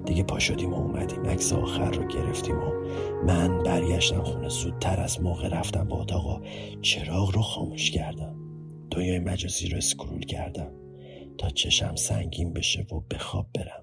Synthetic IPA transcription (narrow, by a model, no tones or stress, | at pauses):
d̪̥iɟe̞pʰɒːʃod̪iːmoumʔæd̪iːmʔæcseɒ̰ːxæɾːoɟe̞ɾe̞ft̪ʰimomænbæɾɟæʃt̪æmxunezuːt̪̚t̪ʰːæɾæzmɒːɣeɾæft̪æmbɒot̪ʰɒːɣɒːt͡ʃʰe̞ɾɒːɣɾoxɒːmuʃcʰæɾd̪æm | d̪̥onjɒːjemæd͡ʒɒːziːɾoeskʰɾṵlcʰæ̰ɾd̪æm | t̪ʰɒːt͡ʃʰe̞ʃæmsæ̰ŋɟiːmbe̞ʃevob̥e̞xɒ̰ːb̚ːe̞ɾæm